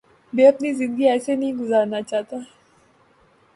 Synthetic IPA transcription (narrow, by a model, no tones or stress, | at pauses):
beːɐpnizɪ̃nd̪ɡiɛːsenɐɦĩɡʊzaːɾnat͡ʃaːɦt̪aɦɛ